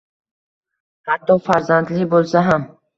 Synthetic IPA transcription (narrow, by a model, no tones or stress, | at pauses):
hat̪ʰːɒfaɾzand̪libolˠsaɦam